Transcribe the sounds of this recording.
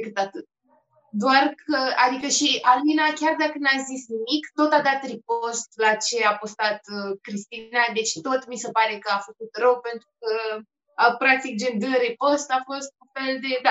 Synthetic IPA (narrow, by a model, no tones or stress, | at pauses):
d̪ekɨt̪at̪ɨt̪̚ | d̪oarkʰəad̪ikəʃialminakʲard̪akəneazisnimikt̪o̞t̪ad̪at̪rip̚o̞st̪lat͡ʃe̞apost̪at̪kɾist̪inad̪e̞t͡ʃt̪o̞t̪misepaɾe̞kəafəkut̪rəwpe̞nt̪ɾukə | pɾak̚t̪ik̚d͡ʒend̪əɾipo̞st̪afo̞st̪unfe̞ld̪e̞d̪a